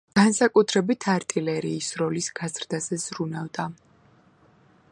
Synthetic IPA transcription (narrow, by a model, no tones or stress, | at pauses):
ɡ̥ansakʼut̪ʰɾɛbit̪ʰaɾt̪ʼilɛɾiːsɾɔlisɡ̥azɾd̪azɛz̥ɾunavd̪a